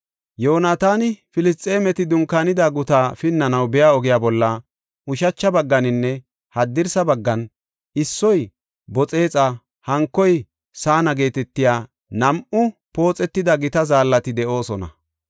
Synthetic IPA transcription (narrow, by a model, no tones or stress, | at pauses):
joːnaːt̪aːnɪfɪlɪs̬t̪ʼːe̞ːmɛt̪ɪd̪ʊŋkaːnɪd̪aɡʊt̪aːfɪnːɐnɐwbɛjaːɔɡɪjaːbɔlːɐ | ʔʊʃɐt͡ʃːɐbɐɡːɐnɪnːɛ | hɐd̪ːɪɾsɐbɐɡːɐn | ɪsːɔj | bɔt͡sʼe̞ːt͡sʼɐ | hɐŋkːɔj | saːnɐɡe̞ːt̪ɛt̪ːɪjaː | nɐmʔʊpo̞ːt͡sʼɛt̪ːɪd̪ɐɡɪt̪ɐzaːlːɐt̪ɪd̪ɛʔo̞ːsɔnɐ̰